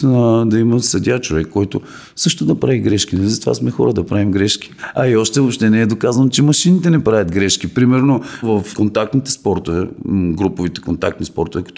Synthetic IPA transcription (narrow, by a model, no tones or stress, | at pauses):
nad̪ɐimɐsɐd̪ʲat͡ʃovɛkːɔjt̪o | sɤʃt̪od̪ɐpɾaviɡɾɛʃkinɛlizɐt̪ova̰smɛxɔ̰ɾəd̪ɐpɾavimɡɾɛʃki̥ɐiɔʃt̪ɛvopʃt̪ɛnɛːd̪okazɐnot͡ʃɛmɐʃinit̪ɛnɛpɾavʲjɐt̪ɡɾɛʃkipɾimɛɾnovɐfkont̪ak̚t̪nit̪ɛ̥spɔɾt̪ovɛɡɾupovit̪ɛ̥kont̪ak̚t̪nispɔ̰ɾt̪ovɛkɐ̥t̪